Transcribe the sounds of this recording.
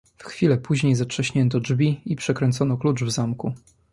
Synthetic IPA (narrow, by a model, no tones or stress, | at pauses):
fxfʲilɛpuʑɲejzatʂɛɕɲɛnt̪ɔd͡ʐvʲiipʂɛkɾɛnt̪sɔnɔklut͡ʂvzamku